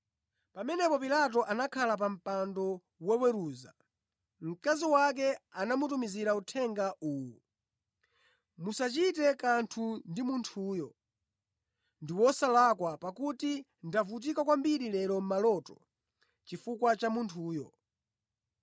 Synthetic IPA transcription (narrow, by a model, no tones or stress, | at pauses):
pamɛnɛpɔpilat̬ɔʔanakʰalap̬am̩pandɔ | wɛwɛɾuːza̰ | m̩kaziwak̬ɛanamutumiziɾautʰɛŋɡaʔuːwu | musat͡ʃitɛkantʰundimuntʰuːjɔ | ndiwɔsalakwapakuti | ndavut̬ikakwambiɾilɛɾɔm̩malɔtɔ | t͡ʃifukwat͡ʃamuntʰuːjɔ̰